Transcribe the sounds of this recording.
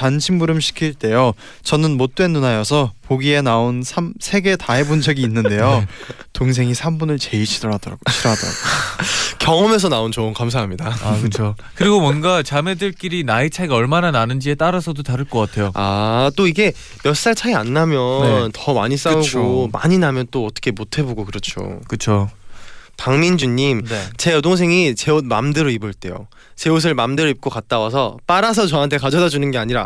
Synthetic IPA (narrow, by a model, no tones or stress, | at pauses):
anɕʰimbuɾɯmɕʰi̥kʰiɭt͈e̞jo | t͡ɕʌnɯnmot̚t͈we̞nːunajʌsʰʌpoɡie̞naonsʰamsʰe̞ɡe̞taebund͡ʑʌɡiːnːɯnde̞jotoŋs̬ʰe̞ŋisʰambunɯɭt͡ɕe̞iɕʰidʌɾadʌɾa̰ɡoɕʰiɾʌɦadʌɾa̰ɡokjʌŋʌme̞s̬ʰʌnaont͡ɕonkams̬ʰaɦamɲidaakɯt͡ɕʰo | kɯɾiɡomwʌnɡat͡ɕame̞dɯɭk͈iɾinait͡ɕʰajɡaʌɭmanananɯnd͡ʑie̞t͈aɾasʰʌdotaɾɯɭk͈ʌk͈atʰe̞joat͈oiɡe̞ | mjʌs͈aɭt͡ɕʰaianːamjʌnntʌma̰ɲis͈auɡoma̰ɲinamjʌnt͈oʌt͈ʌ̥kʰe̞motʰe̞boɡokɯɾʌt͡ɕʰo̰kɯt͡ɕʰo | taŋmind͡ʑuɲːimnet͡ɕe̞jʌdoŋs̬ʰe̞ŋit͡ɕe̞omamdɯɾoibɯɭt͈e̞jo̰ | t͡ɕe̞os̬ʰɯɭmamdeɾoip̚k͈okat̚t͈awas̬ʰʌp͈aɾas̬ʰʌt͡ɕʌɦantʰe̞kad͡ʑʌdad͡ʑunɯnɡe̞aɲiɾa